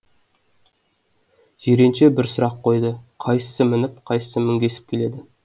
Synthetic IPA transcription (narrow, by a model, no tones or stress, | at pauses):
ʒ̥eɾenʃe̞bɪɾsʊɾɑqʰːo̞jd̪əqʰɑjsə̥səmɪnɪp̚qʰɑjsə̥səmɪŋɡʲe̞sɪ̥p̚kʲʰe̞le̞d̪ɪ